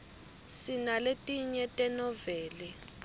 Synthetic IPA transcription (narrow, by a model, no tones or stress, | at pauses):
sinaletʼiɲɛtʼɛnɔvɛːli